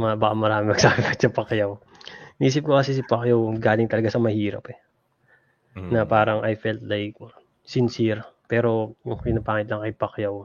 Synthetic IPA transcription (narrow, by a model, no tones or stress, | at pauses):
mɐbɐkamɐɾaːmɪmɐɡ̥saːbɪpɐt̪sɐpɐkjaw | miːs̬ɪp̚kokɐsɛs̬ɪpɐkjawɡaːlɪŋt̪ɐlɐɡasɐmɐhiːɾɐ̰pɛ | nɐpaːɾɐŋʔɐjfɛlt̪̚lajk̚ | sɪnsiɾpɛːɾo̞jʊŋpɪnapaːŋɪt̪lɐŋkɐjpɐkjaw